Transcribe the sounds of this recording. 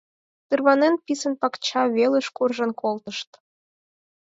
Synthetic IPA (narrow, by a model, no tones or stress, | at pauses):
t̪ɨrβɑnenpisə̆npɑkt͡ɕɑβeleʃkurʒɤ̆nkolt̪ə̆ʃt̪